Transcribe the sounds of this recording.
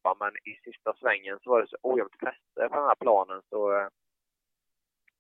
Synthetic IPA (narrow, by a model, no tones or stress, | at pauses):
amɛnɪsɪst̪asvɛŋːənsɔvaɖɛsɔʔuːjɛmt̪fʰɛst̪əpʰɔdɛnhæːɾpʰlɑːnənsɔ